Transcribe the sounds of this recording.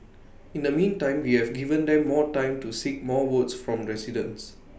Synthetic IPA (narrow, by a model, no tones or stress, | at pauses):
ĩndəmĩntãɪ̃mwihɛvɡivə̃nd̪ɛ̃mːɔtãɪ̃mtusik̚mɔwətsfɹɔ̃mɹɛsidə̰̃ns